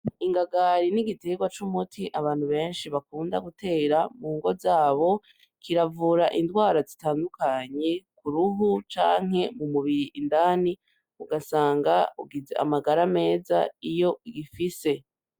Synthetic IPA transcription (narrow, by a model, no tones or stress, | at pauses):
iŋɡaɡaɾiniɡite̞ɡwat͡ʃumutʰiʔaβaːn̥huβe̞ːnʃiβakuːnda̰ɡute̞ːɾamuːŋɡo̞zaːβo̞ | kʰiɾavuːɾaʔindɡwaːɾazitaːndukaɲe̞kuɾuɦut͡ʃaːŋ̥e̞mumuβiɾiʔindaːni | uɡasaːŋɡauɡizḛa̰maɡaɾame̞ːza̰ijo̞iɡifise̞